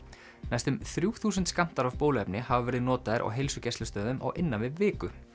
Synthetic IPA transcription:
najst̪ʏmθɾjuːθuːsʏnt̪skam̥t̪aɾavpoːwlʏɛpnɪhavavɛːɾɪðnɔːt̪aðɪɾʔɔ̰ɣɦejlsʏcɛst̪lʏst̪œːðʏmʔɔ̰ɣʔɪnːanvɪðvɪːkʏ

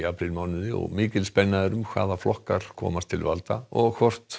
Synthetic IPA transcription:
aːpɾɪlmaːwnɪðɪɔ̰ɣmɪːcɪlspɛnːaðɪɾʏmkʰva̰ːðaflɔhkaɾ̥kʰɔ̰ːmast̪ʰɪlvalt̪aɔɣkʰvɔr̥t̪

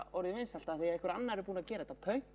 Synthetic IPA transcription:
ɔɾðɪmɪnsɛl̥t̪aðθejaɛhkʏɾa̰nːaɛɾʏpuːnaðcɛːɾaðɛt̪avkʰœɥ

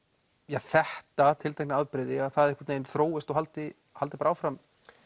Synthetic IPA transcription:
jaɣθɛht̪at̪ʰɪlt̪ʰejknaaðpɾɪðɪaðθaðɛɾɪkvḁt̪neːjnθɾoːwɪst̪ɔhalt̪ɪ | halt̪ɪpaɾaaːwfɾam

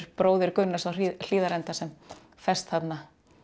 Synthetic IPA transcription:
ɾ̥pɾoːwðɪɾkʏnːasawril̥iːðaɾɛnt̪asɛm | fɛst̪θat̪na

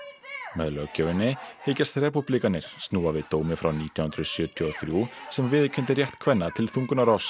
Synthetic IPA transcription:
mɛðlœɣcœwɪnːɪheːjcast̪rɛːpuplikanːɪɾ̥st̪nuːavɪðt̪oːwmɪfɾawniːt̪jawhʏnd̪ɾʏsjœːt̪ʰʏɔθɾjusɛmvɪðcʰʏnt̪ɪrjɛht̪kʰvɛnːat̪ʰɪlθuŋkʏnaɾaws

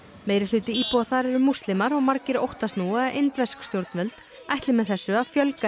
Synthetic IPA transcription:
meːjɾɪlʏːt̪ɪiːpɔaθaɾɛɾʏmust̪lɪmaɾɔɣmaɾcɪɾo̰wht̪ast̪nuːɛaʔejnt̪vɛskst̪jowɾt̪nvœlt̪ | ajht̪lɪmɛðθɛsːʏaðfjœlka

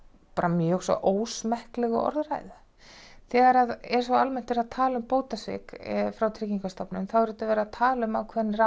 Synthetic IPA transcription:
paːɾamjœsɔ̰ʔoːwsmɛhklɛɣʏ̰ʔɔ̰ɾðra̰jða | θɛːɣaɾaðɛɾ̥svaalmɛn̥t̪ɛɾaðt̪ʰaːlʏmpoːwt̪asvɪ̰kfɾawt̪ʰɾɪciŋkast̪apnʏmθawɛɾɪt̪avɛːɾaðt̪ʰaːlʏmawkʰvɛnːra

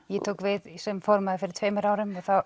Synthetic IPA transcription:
jɛt̪ʰoːwkvɪðsɛmfɔɾmaðɪfɪɾɪɾ̥t̪ʰveːmʏɾaːwɾʏmɛθaw

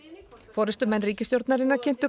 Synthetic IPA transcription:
fɔːɾɪst̪ʏmɛnːriːcɪst̪jowɾt̪naɾɪnːacʰɪn̥t̪ʏ

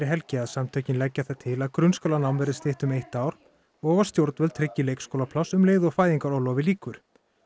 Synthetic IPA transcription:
ɾɪɦɛlcɪaðsamt̪ʰœɥcɪnlɛcːaθat̪ʰɪlaðkɾʏnskœlanawnvɛɾðɪst̪ɪht̪ʏmejht̪aːwɾ̥ | ɔːvḁst̪jowɾt̪nɛlt̪ʰɾɪcːɪleːjkskowlapʰlawsʏmleːjðʏɔfaːjɪŋkaɾɔwlɔwvɪliːkʏɾ̥

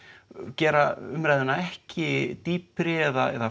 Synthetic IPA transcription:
cɛːɾaʏmɾajðɪnaɛhcɪt̪iːpɾɪɛðaɛ̰ða

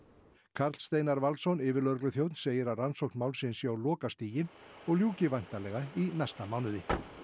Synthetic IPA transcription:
kʰaɾt̪st̪eːjnaɾvalsɔnɪːvɪɾlœɾklʏθjowt̪nseːjɪɾaðransowknmawlsɪnsjaːwlɔːkast̪iːjɪnɔɣljuːcɪvajn̥t̪alɛɣainast̪amaːwnʏðɪ

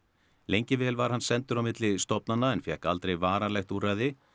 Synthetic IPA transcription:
lejɲcɪvɛːlvaɾ̥hanːsɛnt̪ʏɾawmɪt̪lɪst̪ɔpnanːaɛnfjɛhkalt̪ɾejvaːɾalɛxt̪uraːjðɪ

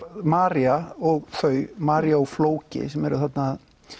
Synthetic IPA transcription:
maːɾjaɔɣθœːɥmaːɾjaɔɣfloːwcɪ̰sɛmɛɾʏ̰θat̪nað

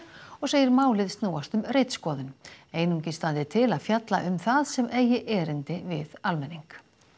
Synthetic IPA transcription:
ɔɣseːjɪɾmaːwlɪðst̪nuːwast̪ʏmrejt̪skɔːðʏneːjnuɲcɪ̥st̪ant̪ɪt̪ʰɪlaðfjat̪la̰ʔʏmθaðsɛmʔeːjɪʔɛːɾɪnt̪ɪvɪðalmɛnːiŋk

